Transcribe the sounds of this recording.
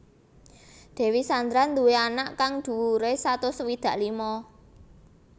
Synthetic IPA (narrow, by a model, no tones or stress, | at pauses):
d̪̥ɛ̤wisand̪ɾand̪uweanaʔkaŋd̪̥ṳwuɾesat̪ʊswid̪̥ä̤ʔlimɔ